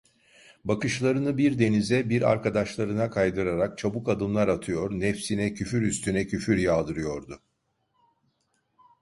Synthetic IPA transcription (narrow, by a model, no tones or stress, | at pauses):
bakɯʃlˠaɾɯnɯbiɾd̪e̞nizɛbiɾa̰ɾkad̪aʃlˠaɾɯnakʰajd̪ɯɾaɾak̚t͡ʃʰabukad̪ɯmlˠaɾat̪ʰɯjo̞ɾnɛfsinɛcʰyfyɾyst̪ʰynɛcʰyfyɾjaːd̪ɯɾɯjo̞ɾd̪ʊ